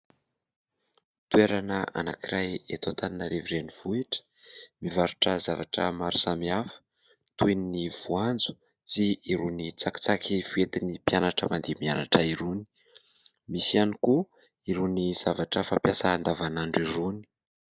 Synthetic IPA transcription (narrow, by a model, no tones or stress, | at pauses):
t̪ueɾanəa̰na̰kiɾajet̪at̪aninaɾeviɾeniv̥uiʈ͡ʂə̥ | mivaɾuʈ͡ʂəzavaʈ͡ʂə̰maɾu̥samiafə̥ | t̪uniniv̥uand͡zu̥ | t͡siːɾunit͡saki̥t͡sakiv̥uet̪inipianaʈ͡ʂəmand̪emiana̰ʈ͡ʂəiɾuni̥ | misianiku | iɾuniz̥avaʈ͡ʂəfampjasaːnd̪avanaɳɖ͡ʐiɾuni̥